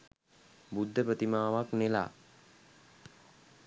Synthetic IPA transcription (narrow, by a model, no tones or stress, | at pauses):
bud̪ʱːəpɾət̪imaːʋaknela̰ː